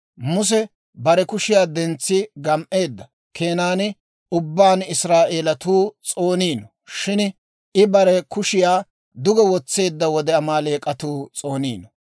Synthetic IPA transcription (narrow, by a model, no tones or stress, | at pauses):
mʊs̬ɛ | bɐɾɛkʊʃɪjaːd̪ɛnt͡sːɪɡɐmʔe̞ːd̪ːɐ | kʰe̞ːnaːnɪ | ʊbːaːnɪsɾaːʔeːlɐt̪uːt͡sʼo̞ːniːnɔ | ʃɪn | ɪbɐɾɛkʊʃɪjaː | d̪ʊɡɛwɔt͡sːe̞ːd̪ːɐwɔd̪ɛɐmaːle̞ːkʼɐt̪uːt͡sʼo̞ːniːnɔ